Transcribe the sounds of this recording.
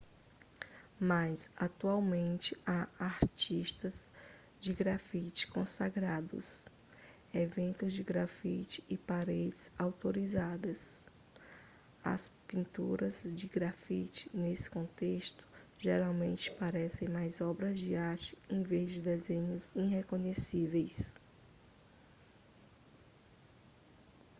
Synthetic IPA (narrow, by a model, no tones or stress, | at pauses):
masat̪uawmẽnt͡ʃɪaaɾt͡ʃiʃt̪ɐz | d͡ʒɪɡɾafit͡ʃɪ̥kõsaɡɾad̪ʊ̰s | evẽnt̪ʊzd͡ʒɪɡɾafit͡ʃɪ̥ɪpaɾed͡ʒɪz̥awt̪oɾizad̪ɐs | ɐ̰spĩnt̪uɾɐzd͡ʒɪɡɾafit͡ʃɪ̥nesɪ̥kõnt̪est̪ʊ̥ʒeɾawmẽnt͡ʃɪ̥paɾɛsẽj̃majzɔbɾɐzd͡ʒiɪaɾt͡ʃɪ̥ẽj̃vezd͡ʒɪd̪ezẽɲʊzĩɦekõɲesivejs